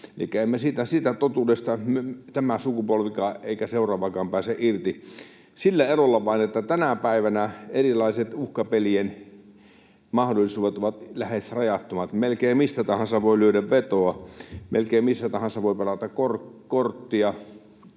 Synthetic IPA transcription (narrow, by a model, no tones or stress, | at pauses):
elikːˑæemːæsiːt̪æsiːt̪æt̪ot̪uːdest̪ɑmet̪æmæsukupolʋikɑːḛˑikæseurˑɑːʋɑkɑːmpæːseʔirt̪i | silːæerolːɑʋɑˑinet̪ːæt̪ænæpæˑiʋænæerilɑˑiset̪uhkɑpelien | mɑhdolːˑisuːʋet̪oʋɑt̪læhesrɑjɑt̪ːomɑt̪melkeːmisːæt̪ɑhɑnsɑʋoˑilyødæʋʋet̪oɑmelkeimmisːæt̪ɑhɑnsɑʋoˑipelɑt̪ɑkkorkort̪ːiɑ